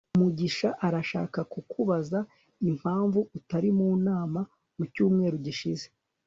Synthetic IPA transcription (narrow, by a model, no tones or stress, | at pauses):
umuɟiʃaʔaɾaʃa̰ːkakukʰuβaza | im̥haːɱvuutaɾimuːnaːma | mucuːmŋe̞ːɾuɟiʃize